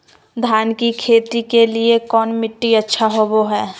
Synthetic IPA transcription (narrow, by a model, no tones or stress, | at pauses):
d̪ʱaːnkikʰeːt̪ikeliekɔːnmɪʈːiɐtːʃʰaɦoboɦɛː